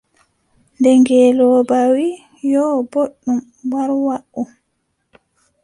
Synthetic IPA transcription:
ndɛŋɡɛːlɔbawi | jɔːboɗːum | waɾwaʔu

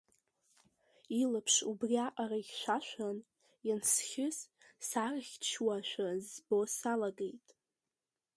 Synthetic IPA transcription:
ilapʰʂubriaqʼaraiʃʷaʃᶣʷan | jansχʲɪs | sarχʲt͡ʃʰwaʃʷᶣazbosalaɡe̞jtʼ

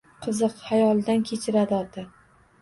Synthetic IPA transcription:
qʰɨzɨqhajɒlˠɪd̪ankʲʰe̞t͡ʃʰɪɾad̪ɒd̪ɪ

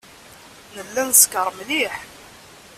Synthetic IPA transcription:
nəlːænskəɾˤmliħ

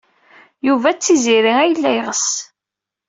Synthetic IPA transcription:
juvæt͡sːiziɾiæjəlːæjʁəs

